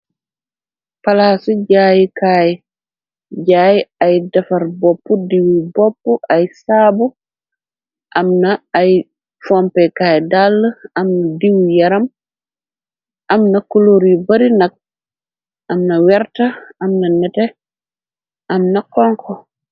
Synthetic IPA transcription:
palasuɟaːjikaj | ɟaːjiajdafaɾbɔpːudiwibɔpːuʔajsabu | ʔamnaːj | fɔmpɛkajɛdalːəamnadiwijaɾam | ʔamnakuloɾibaɾinak̚ | ʔamnawɛɾtaamnanɛtɛ | ʔamnakɔŋkʰɔ

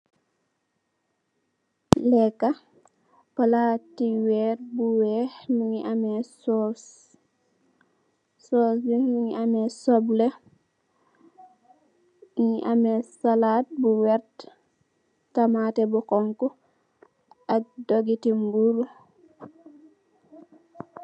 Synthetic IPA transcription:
lɛkːa | palatiwɛːɾbuwɛhmuŋiʔamɛsɔs | sɔsjuuŋiʔamɛsɔblɛ | ŋiʔamɛsalaːt̚buwɛɾt | tamatɛbukɔŋku | ak̚doɡitimbuɾu

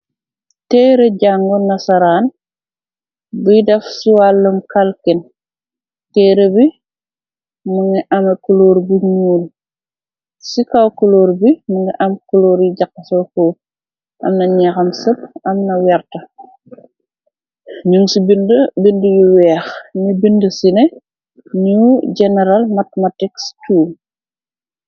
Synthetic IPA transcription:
tɛːɾeɟaŋɡɔnɐsɐɾaːn | bujdɐfsuwalːumkalkin | tɛːɾəbi | muŋɡiʔamekuloːɾbiɲuːl | sikawkuloːɾbimuŋɡiʔɐmkuloːɾjiɟakːɐsɔkoː | ʔɐ̰mnɐɲaxɐmsəp̚ɐmnɐwɛrtɐ | ɲunsibindəbindəjuwɛːxnibindəsinɛ | ɲuːɟɛnɛɾalmatmatikstuːl

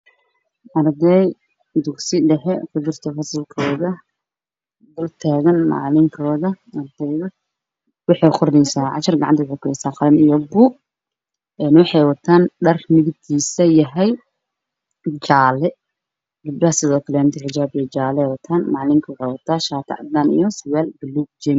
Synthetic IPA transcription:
ʔɐrd̪ɛj | d̪ʊɡsɪɖɛɦɛfʊd͡ʒɪrt̪ʰɔfɐsɪlkʰɔːðɐ | d̪ʊlt̪ʰaːɣɐnmɑ̰ʕlɪŋkʰɔːðɐ | ɐrd̪ɛjðɐ | wɑħɑjqʊrnɛjsaːʕɑ̰t͡ʃɐrɡɑʕɑnt̪ʰɐwʊħejkʊɛjsaːxɑlɐnijɔbuːɡ̚ | ɛːnwɑħɑjwɑt̪ʰaːnɖɐrmɪɡt̪ʰiːsɐjɐɦɛj | t͡ʃaːlɛ | d͡ʒɪb̚ɖɐhɐsɪðɔːkʰɐlɛnt̪ʰɛʕɪd͡ʒaːbɛd͡ʒaːlɛjwɐt̪ʰaːnmɑʕlɪŋkʰɐwʊħɑjwɐt̪ʰaːʃaːt̪ʰɐ̰ʕɑd̪aːnḭjɔsʊwaːlbɐluːɡ̚d͡ʒɛm

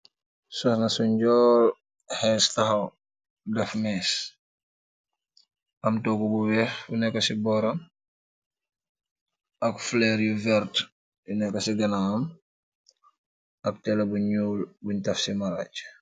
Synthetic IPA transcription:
sɔhnɐsuɲɟɔːl | hɛstɐxɐw | dɐfmɛs | ʔɐmtoɡubuwɛxbunɛkːɐsibɔːɾɐm | ɐkflɛɾjuvɛɾt | junɛkːɐsiɡɐnam | ɐk̚tɛlɐbuɲuːlbuɲtɐfsimaɾa̰t͡ʃ

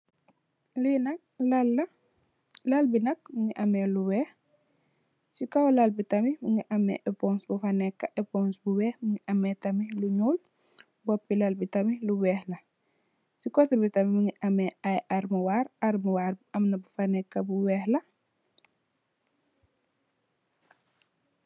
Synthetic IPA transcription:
linɐk̚lalːɐ | lalbinɐk̚miŋiʔɐmɛluwɛːh | sikawlalbitɐmimiŋiʔɐmːɛ̰ʔɛpɔnsbufanɛkːɐʔɛpɔnsbuwɛːhmiŋiʔɐmɛtɐmiluɲuːl | bɔpːilalbitɐmiluwɛːhlɐ | sikɔtɐbitɐmimiŋiʔamɛʔajʔaɾmuwaːɾaɾmuwaːɾɐmnɐbufanɛkːɐbuwɛːhlɐ

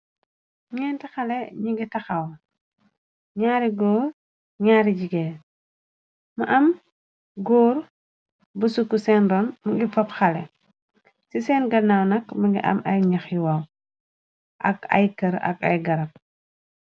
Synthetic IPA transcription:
ɲɛːntixɐlɛɲuɡitɐxɐw | ɲaːɾiɡɔːɾ | ɲaːɾiɟiɡɛː | mɐʔɐm | ɡɔːɾ | bɐsukːusɛːndɔːnmɐɡifɐpxɐlɛ | sisɛːnɡɐnawnɐkmɐɡiʔɐ̰mɐjɲɐxjuwɐw | ʔɐ̰kɐ̰jkɐɾɐ̰kɐ̰jɡɐɾɐp̚

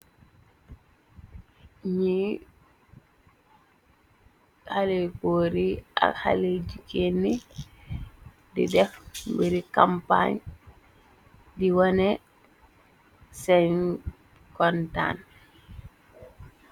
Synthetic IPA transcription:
ɲi | halekoːɾiʔa̰kha̰led͡ʒikenːi | dḭdɛfmbiɾikampa̰ɲ | diwanɛ | sɛn | kɔnta̰n

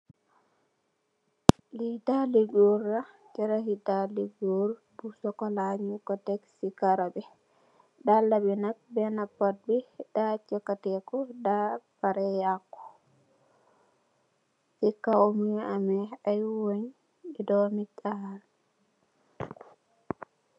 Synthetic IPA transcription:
litaliɡoɾːa | t͡ʃɛɾahitaliɡoɾ | busɔkɔlaɲikɔtɛksikaɾabɛ | dalːabɛnak̚bɛnapːat̚bidat͡ʃɔkːatɛkɔdabaɾɛjakːɔ̥ | sikːaomiamɛajwoɲ | idɔmikːaha

